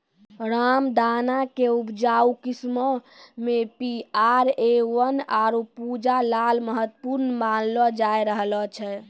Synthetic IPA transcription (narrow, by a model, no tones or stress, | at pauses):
ɾamd̪anakeubd͡ʒaukismɔ | mepiaɾewənaɾupud͡ʒalalməɦət̪ːəpuɾnmanlɔd͡ʒajɾəɦlɔt͡ʃʰɛ